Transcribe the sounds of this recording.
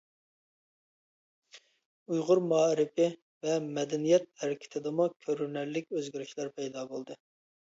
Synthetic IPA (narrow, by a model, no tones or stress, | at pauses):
ujʁʊɾmɑːɾɪpɪ | vɛmɛd̪ɛnijɛt̪̚hæɾɪkʲʰɪ̥t̪ʰɪd̪ɨmukʲʰøɾyɾnæɾlɪk̚ʲøzɡʲiɾyʃlˠæɾpʰɛjd̪ɑːbolˠd̪ɨ